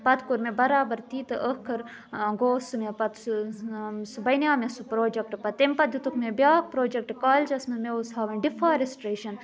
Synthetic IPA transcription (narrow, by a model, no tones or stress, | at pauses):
pɐt̪kuɾmebɐɾaːbɐɾt̪iːt̪ɨʔəkʰɐɾ | ɡoːsumepɐt̪s | subɐjnʲjaːmesupɾoːd͡ʒek̚ʈɨpɐt̪empɐt̪jut̪ukmebʲjaːk̚pɾoːd͡ʒek̚ʈɨkaːld͡ʒɐsmɐmeushaːʋɐnɖifaːɾisʈɾeːʃɐn